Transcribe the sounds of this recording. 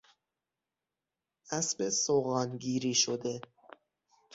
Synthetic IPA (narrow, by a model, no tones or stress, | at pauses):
ʔæsbe̞soɣɒːnɟiːɾiːʃod̪e